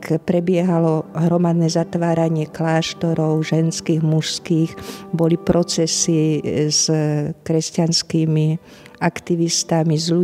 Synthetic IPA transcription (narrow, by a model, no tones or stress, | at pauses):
kpɾɛbɪɛɦalɔɦɾɔmad̪nɛzat̪ʋaːɾaɲɪɛklaːʃt̪ɔɾɔʊʒɛnskiːɣmuʃskiːɣbɔlipɾʔɔt͡sɛsizkɾɛscanskiːmi | akt̪iʋist̪amizlu